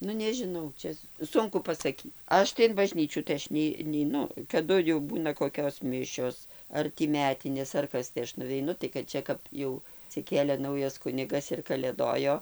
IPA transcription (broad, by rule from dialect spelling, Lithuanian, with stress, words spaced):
ˈnʊ nʲɛʒʲɪˈnɐʊ ˈt͡ʃʲɛ ˈsʊŋkʊ pɐsɐˈkʲiː ˈɐʃ tɐɪ ɪn bɐˈʒʲnʲiːt͡ʃʲuː tɐɪ ˈɐʃ nʲɛɪ nʲɛɪˈnʊ kɐˈdʊ jɛʊ ˈbuːnɐ koːˈkʲoːs ˈmʲɪʃʲoːs ˈɐr tʲiː ˈmʲæːtʲɪnʲeːs ɐr ˈkɐs tɐɪ ˈɐʃ nʊʋʲɛɪˈnʊ tɐɪ kɐt ˈt͡ʃʲɛ kɐp ˈjɛʊ ɐtʲsʲɪˈkʲeːlʲeː ˈnɐʊjɛs ˈkʊnʲɪɡɐs ɪr kɐˈlʲeːdoːjoː